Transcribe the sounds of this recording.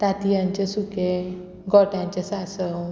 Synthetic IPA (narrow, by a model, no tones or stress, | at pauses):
t̪at̪ijãɲt͡ɕesuke | ɡɔʈãɲt͡ɕesasəw